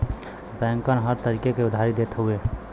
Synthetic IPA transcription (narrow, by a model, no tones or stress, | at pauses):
bɛ̃ŋkənɦəɾt̪əɾikekeud̪ʱaɾid̪et̪ɦue